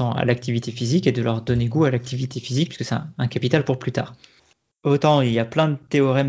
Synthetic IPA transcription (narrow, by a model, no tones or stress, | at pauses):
ɑ̃a̰lak̚t̪ivit̪efiziked̪əlœʁd̪ɔneɡualak̚t̪ʰivit̪efizikpi̥skəsɛ̃ɛ̃kapit̪alpuʁplyt̪a̰ːʁ | ot̪ɑ̃ilijaplɛ̃d̪ət̪eɔʁɛm